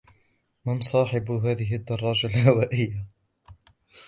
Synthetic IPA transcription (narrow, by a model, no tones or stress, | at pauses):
mɪnsˤɑːħɪbɦaːðɪɦɪʔad̪ːɑrˤːɑːd͡ʒalhawaːʔɪjːa